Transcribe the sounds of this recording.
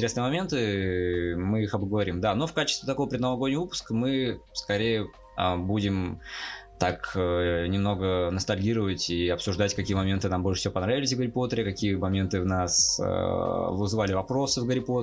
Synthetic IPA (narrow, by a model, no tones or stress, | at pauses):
tʲɪɾesnɨəmɐmʲe̞nt̪ɨ | mɨixɐbɡəvɐɾʲimd̪ano̞fkat͡ɕɪst̪vʲɪt̪ɐko̞vəpɾʲɪd̪nəlˠɐɡodʲnʲɪvupʊ̥skmɨskɐɾʲejə | əbudʲɪm | t̪akənʲɪmno̞ɡənəst̪ɐlʲɡʲiɾəvətʲiɐpsʊʐd̪atʲkɐkʲijəmɐmʲe̞nt̪ɨnambolʲʂɨ̥sʲɪvʲopɐnɾavʲɪlʲɪs̬ʲvɡəɾʲɪpo̞t̪əɾʲɪkɐkʲijəmɐmʲe̞nt̪ɨvnasə̰vɨzvalʲɪvɐpɾo̞sɨvɡəɾʲɪpot̪